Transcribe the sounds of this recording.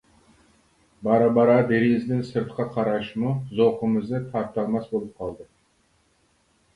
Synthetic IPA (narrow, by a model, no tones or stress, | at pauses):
bɑɾɑbɑɾɑd̪eɾizd̪ɪnsɨɾt̪qʰɑqʰɑɾɑʃmuzoqəmɨzd̪ɨt̪ʰɑɾt̪ʰɑlˠmɑsbolˠɨp̚qʰɑlˠd̪ɨ